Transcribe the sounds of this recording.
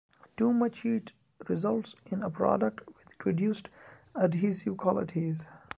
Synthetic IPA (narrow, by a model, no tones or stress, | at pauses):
ʈuːmʌt͡ʃhiːʈ | ɾɪzʌlʈsɪ̃nəpɾɔ̰ːɖək̚ʈwɪd̪̥pʰɾɔɖjuːsʈəɖiːsɪʋkʰwɔlɪʈʰiz